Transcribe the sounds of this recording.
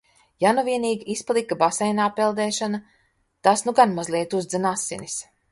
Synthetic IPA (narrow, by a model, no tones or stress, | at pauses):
januviɛniːɡʲiʔisplˠikabasɛjnaːpːɛlˠd̪ɛːʃana | t̪asnuɡanmazlʲˠiɛt̪uzd̪zanasːḭnis